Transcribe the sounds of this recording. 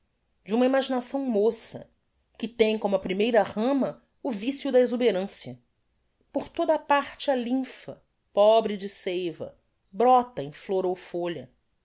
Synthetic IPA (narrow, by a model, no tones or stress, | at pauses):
d͡ʒɪũmɐimaʒinasɐ̃w̃mosɐ̰ | kɪt̪ẽj̃kõmʊɐpɾimejɾɐʁɐ̃mɐ | ʊvisjʊd̪ɐezubeɾɐ̃sjɐ | poɾt̪od̪ɐːpaɾt͡ʃɪɐlĩfɐ | pɔbɾɪd͡ʒɪsejvɐ̰ | bɾɔt̪ɐẽj̃floɾowfoʎɐ